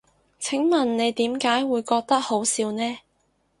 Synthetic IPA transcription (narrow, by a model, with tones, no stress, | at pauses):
t͡sʰɪ˨˥ŋmɐ˨˩nne˨˧jt̪iː˨˥mkaː˨˥jwuː˨˧jkɔː˧k̚t̪ɐ˥k̚ho˨˥wsiː˨˧wnɛː˥